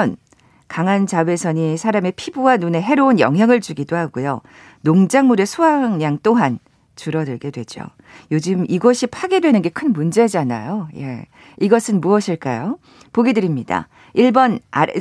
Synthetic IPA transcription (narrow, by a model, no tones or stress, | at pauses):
n | kaŋant͡ɕawe̞sʰʌɲisʰaɾame̞pʰibuwanune̞ɦe̞ɾounjʌ̰ŋɦjaŋɯɭt͡ɕuɡidohaɡujo̰ | noŋd͡ʑaŋmuɾe̞sʰoɦaŋɲaŋt͈oɦan | t͡ɕuɾʌdɯɭɡe̞dwe̞d͡ʑo̰ | jod͡ʑɯmiɡʌɕʰipʰaɡedwe̞nɯnɡe̞kʰɯnmund͡ʑe̞d͡ʑana̰joje̞̰ | iɡʌsʰɯnmuʌɕʰiɭk͈a̰jo | poɡidɯɾimɲida̰ | iɭbʌna